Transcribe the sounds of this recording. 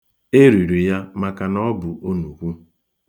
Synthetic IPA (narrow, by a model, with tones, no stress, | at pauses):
e˦ɾi˨ɾi˨ja˦ma˨ka˨nɔ˦bʊ˨ʔo˦nu˨kʷu˦